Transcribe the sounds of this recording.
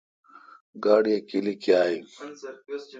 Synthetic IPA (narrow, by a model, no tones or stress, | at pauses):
ɡaːɽijekilikiaːi